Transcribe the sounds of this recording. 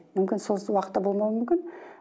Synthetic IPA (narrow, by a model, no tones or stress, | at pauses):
mʏmkʲɪnso̞lˠwɑqə̥t̪ːɑbo̞lˠmɑwəmʏmkʲɪn